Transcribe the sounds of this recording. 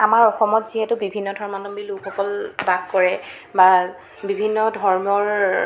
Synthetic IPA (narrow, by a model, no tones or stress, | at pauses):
amaɹɔxɔmɔtziɦɛtʊbibʱinːɔdʱɔɹmanɔmbilukʰɔkɔlbaɡkɔɹɛ | ba | bibʱinːɔdʱɔɹmɔɹ